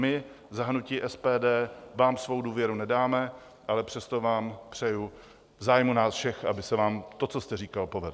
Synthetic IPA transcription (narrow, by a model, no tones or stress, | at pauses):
mɪ | zaɦɾnuciːʔɛspɛːdɛːvaːmsvo̞wduːvjɛɾunɛdaːmɛ | ʔalɛpr̝̥ɛst̪o̞vaːmpr̝̥ɛju | vzaːjmunaːsfʃɛxʔa̰bɪsɛvaːmt̪o̞t͡so̞st̪ɛriːkalpo̞vɛdl